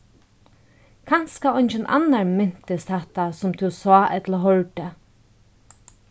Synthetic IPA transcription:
kʰanskaɔjɲt͡ʃɪnʔa̰nːaɹmɪn̥t̪ɪst̪hɛht̪asʊmt̪ʰuwsɔːʔɛt̪laɦɔɹt̪ə

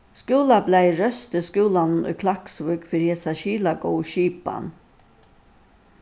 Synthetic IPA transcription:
skʉːlablæɪɹœst̪əskʉːlann̩ʉ̰ːkʰlɑksʋʉːkfœɾjesɑʃiːlɑɡɔːʃiːpa̰n

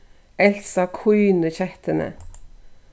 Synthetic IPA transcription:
ɛlsɑkʰuːnəçɛht̪ənə̰

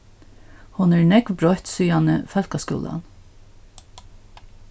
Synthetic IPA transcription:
hʊnæːɹɳɛkʋbɾɔht̪syːɑnə̰fɛlkaskʊ̰ːlɑ̰n

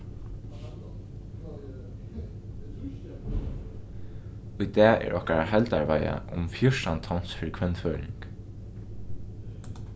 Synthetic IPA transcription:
ʊjd̪ɛːɛ̰ːɹʔɔhkaɹaɦɛlt̪aɹvaja̰ʔʊmfjʊʂant̪ʰɔwn̥sfɪɾɪkʰvɛnt̪føːɾɪŋk

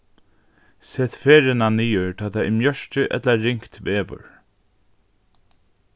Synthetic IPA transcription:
sɛːt̪feːɾɪnaniːəɹt̪ʰaːt̪ʰaɪmjœʃt͡ʃɪʔɛ̰t̪laːɪŋkt̪ʋeːʋʏ̰ɹ

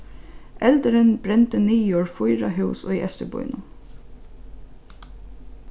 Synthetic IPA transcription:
ʔɛld̪əɾənbɾɛnt̪əniːjoːɹfʊʏɹɑ̰hʉʉso̰ːiːʔɛst̪ə̰bɔ̰ʏnʊ

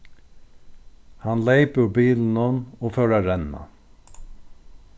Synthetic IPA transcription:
hɑnleɪpʉbiːln̩ɔnoːfœːɾaɾɛnːa̰

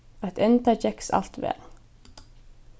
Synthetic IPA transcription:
at̪ɛnt̪at͡ʃɛksa̰l̥t̪vɛ̰ːl

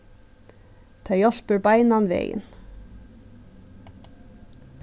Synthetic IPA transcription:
t̪ʰɑjɔɬpəɾbɑɪnɑnʋḛːjə̰n

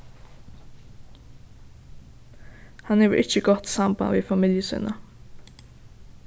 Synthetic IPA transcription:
hɑneːʋ̰ʔɪçəɡɔt̪sɑmba̰ʋiːfɑmɪljəsɪ̰nə

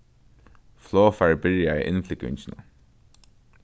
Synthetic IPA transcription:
floːfaɹbɪɹjaḭʔɪ̰nflɪkʏ̰ɲt͡ɕɪna

